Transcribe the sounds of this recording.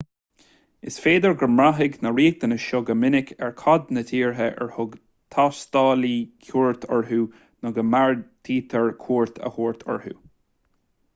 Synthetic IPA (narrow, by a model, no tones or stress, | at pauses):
ɪsfeːd̪əɹɡəɹmɹaɦɪɡnəɹiːt̪ənəʃoɡəmɪnɪkʰɛɹkʰɔd̪nət̪ʰiːɹɦəʔɛ̰ɹhʊɡ | t̪ʰast̪ɑːlikʰjuːɹt̪ʰɔɹɦuː | nʊɡəmaɹt̪ʰiːt̪ʰəɹkʰuːɹt̪ʰə̰huːɹt̪ʰɔ̰ɹhṵː